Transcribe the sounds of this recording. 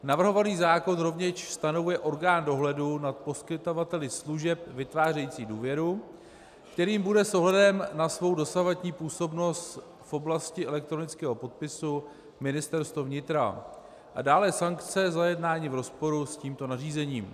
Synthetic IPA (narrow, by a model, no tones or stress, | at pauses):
navr̩ɦo̞vaniːzaːko̞nɾo̞vɲɛʃst̪ano̞vujɛʔo̞ɾɡaːndo̞ɦlɛdunat̪̚po̞skɪt̪ovat̪ɛlɪsluʒɛpvɪt̪vaːrɛjiːt͡siːduːvjɛɾu | kt̪ɛɾiːmbudɛsʔo̞ɦlɛdɛmnasvo̞wdo̞savadɲiːpuːso̞bno̞st̪ | fo̞blascɪʔɛlɛk̚t̪ɾo̞nɪt͡skɛːɦo̞po̞t̪̚pɪsu | mɪnɪst̪ɛɾst̪vovɲɪt̪ɾa̰ | ʔa̰daːlɛsaŋkt͡sɛzajɛdnaːɲiːvɾo̞spo̞ɾusciːmt̪o̞nariːzɛɲiːm